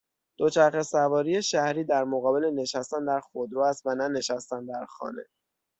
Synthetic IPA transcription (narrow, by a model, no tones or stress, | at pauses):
d̪̥o̞t͡ʃʰæɾxesævɒːɾijeʃæhɾiːd̪æɾmoɣɒːbe̞le̞ne̞ʃæst̪ænd̪æɾxod̪ɾoːæst̪vænæne̞ʃæst̪ænd̪æɾxɒ̰ːne̞̰